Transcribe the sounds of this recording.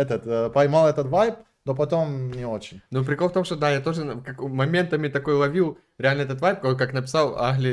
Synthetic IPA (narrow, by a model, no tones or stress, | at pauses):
ɛt̪ət̪pɐjmalˠɛt̪ət̪vajp | nopɐt̪omnʲɪot͡ɕɪnʲnup̬ɾʲɪkolft̪omʂt̪od̪ajat̪o̞ʐɨkɐkmɐmʲe̞nt̪əmʲɪt̪ɐko̞jlˠɐvʲilˠ | ɾʲɪalʲnəɛt̪ət̪vajp̚kokaknəpʲɪ̥salˠaɣlʲɪ